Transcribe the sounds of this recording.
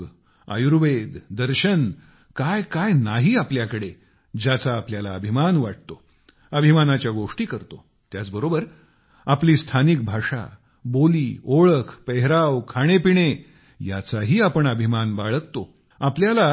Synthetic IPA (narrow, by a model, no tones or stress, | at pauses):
a̰juɾʋed̪d̪əɾɕən | kajkajnaɦiːapljakəɽe | d͡ʑat͡saːpljalaəbʱimanʋaʈ̚t̪o | əbʱimanat͡ɕjaɡoʂʈiːkəɾt̪o | t̪jat͡sbəɾobəɾ | apliːst̪ʰanik̚bʱaʂa̰ | boliːoɭəkʰpeɦɾawkʰaɽ̃epiɽ̃e | ja̰t͡saɦiːapəɳəbʱimanbaɭək̚t̪o | apljala